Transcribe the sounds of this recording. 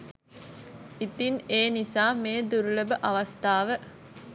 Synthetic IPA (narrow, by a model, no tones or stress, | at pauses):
it̪ineːnisaːmeːd̪uɾuləbəʔaʋɐst̪aːʋə